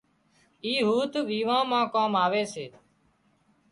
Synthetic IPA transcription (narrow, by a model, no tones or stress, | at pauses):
iːɦuːt̪ʋiːʋãːmãːkaːmaːʋeːseː